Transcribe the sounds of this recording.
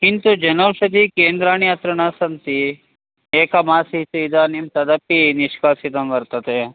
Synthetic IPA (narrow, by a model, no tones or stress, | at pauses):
kint̪ud͡ʒɐnoːʋʃɐd̪ikeːnd̪ɾaːniɐt̪ɾɐnaːsɐnt̪i | eːkɐmaːsit̪uid̪aːnimt̪ɐd̪ɐpːiniʃkaːsit̪ɐmʋɐɾt̪ɐt̪e